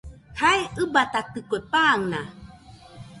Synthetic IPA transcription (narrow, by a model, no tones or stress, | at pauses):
hajɯbat̪at̪ɨkoepaːŋna